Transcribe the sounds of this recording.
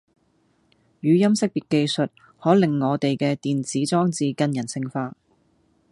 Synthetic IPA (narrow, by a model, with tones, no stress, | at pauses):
jyː˨˧jɐ˥msɪ˥k̚piː˨t̚kːe˧jsɵ˨t̚ | hɔː˨˥lɪ˨ŋːɔː˨˧t̪e˨jkɛː˧t̪iː˨nt͡siː˨˥t͡sɔː˥ŋt͡siː˧kɐ˧njɐ˨˩nsɪ˧ŋfaː˧